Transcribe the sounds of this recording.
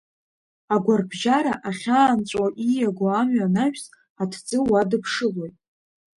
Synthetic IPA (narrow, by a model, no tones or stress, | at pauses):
aɡʷarbʒaɾaʔaχʲaːnt͡st͡ʃʷʼaʔijaɡʷoamɥanaʃᶣs | atʰd͡zʼɨwadɨpʰʂɨlo̞jtʼ